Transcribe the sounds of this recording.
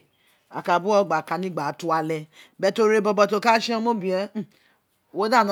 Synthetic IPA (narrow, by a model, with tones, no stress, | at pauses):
a̰˨ka˨bu˦ɔ˧ɡ͡ba˨ka˧nĩ˦ɡ͡ba˨tu˦a˧lɛ˧bɛ˧˦to˧ɾe˦bɔ˧bɔ˧to˧˦˨ka˦ʃi˦ã˧˦mo˦bĩ˨ɛ̃˧˦ | wo˦da˦˨nã˨˦